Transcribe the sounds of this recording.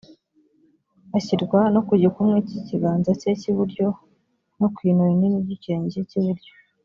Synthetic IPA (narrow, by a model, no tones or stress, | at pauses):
açiɾɡwanokuɟikumŋeciciɡaːnzaceciβuɾɟo̞ | nokwiːnuininiɟiceeɲizeciβuɾɟo